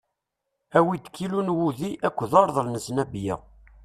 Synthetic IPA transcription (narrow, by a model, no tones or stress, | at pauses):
æwid̪kʰːilunwuðiʔækʷːðɑɾˤðˤəlnəsnæbjæ̰